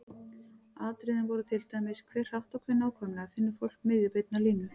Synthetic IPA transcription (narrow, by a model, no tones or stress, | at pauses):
aːt̪ɾɪðɪnvɔɾʏt̪ʰɪlt̪ajmɪskʰvɛːr̥hawht̪ɔkʰvɪnaːwkʰɔmnaafɪnːʏfowl̥kmɪðɪpejt̪naliːnʏ